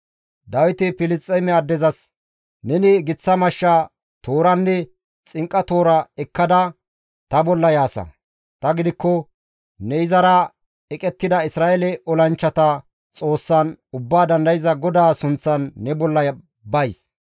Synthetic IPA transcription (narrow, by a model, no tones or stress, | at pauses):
d̪ɐwɪt̪ɪpɪlɪstʼːɛmɛɐd̪ːɛzɐs | nɛnɪɡɪt͡sːɐmɐʃːa | t̪oːɾɐnːɛ | t͡sʼɪŋkʼːɐt̪o̞ːɾɐɛkːɐd̪ɐ | t̪ɐbɔlːɐjaːsɐ̰ | t̪ɐɡɪd̪ɪkːɔ | nɛɪzɐɾɐ | ɛkʼɛt̪ːɪd̪ɐɪsɾaːɛlɛʔɔlɐnt͡ʃːɐt̪ɐ | t͡sʼo̞ːsːɐnʊbːaːd̪ɐnd̪ɐjɪzɐɡɔd̪aːsʊnt͡sːɐnːɛbɔlːɐjɐ | bɐjs